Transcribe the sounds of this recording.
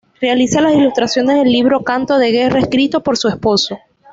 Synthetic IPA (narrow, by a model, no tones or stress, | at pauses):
re̞alisalasilust̪ɾasjo̞ne̞zðe̞lːiβɾo̞kant̪o̞ð̞e̞ɣe̞raeskɾit̪o̞po̞ɾsuespo̞so